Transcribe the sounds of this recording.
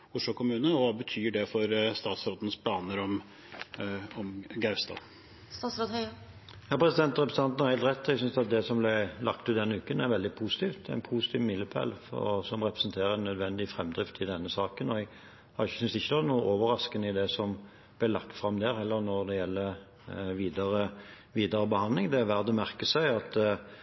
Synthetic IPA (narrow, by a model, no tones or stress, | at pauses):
ʊʂlʊːkʰʊmʉːnəɔʋɑːbət̪ʰyːɖɛfɔɾst̪ɑːt̪sɾoːt̪n̩spʰlɑːnəɾɔm | ɔmɡæɪst̪ɑ̰ː | st̪ɑːt̪sɾoːd̪hœə | jɑːpʰɾʁɛsɪd̪ɛnt̪ʁɛpɾəst̪ɑnt̪n̩hɑɾʁhɛɪlt̪ʁɛt̪ːɛɡsʏnsd̪ɑt̪̚d̪ɛsɔmblæɪlɑk̚t̪ʉːd̪ɛnːəʉːkənæɾʋɛld̪ɪpʰuːsɪt̪iːft̪̚æ̰ɪnpʰuːsɪ̥t̪ʰiːʋmɪlːəpʰæ̰lfsɔmʁɛpɾəsnt̪ʰeːɾəɛnːœd̪ʋɛnd̪ɪfɾɛmd̪ʁɪft̪ʰɪld̪ɛnːəsɑːkənɔɛɡ | hɑɾɪsʏnsɪçːəd̪ɑnuːəʔoːʋəɾɑskənəɪd̪ɛsɔm | b̥lɪːlɑk̚t̪fɾɑmd̪æːɾhɛlːəɾnɔɾd̪ɛjɛlːə | ʋiːd̪əɾə | ʋiːd̪əɾəbəhɑnlɪŋd̪ɛæʋæʁd̪əmæʁkəsæɪɑt̪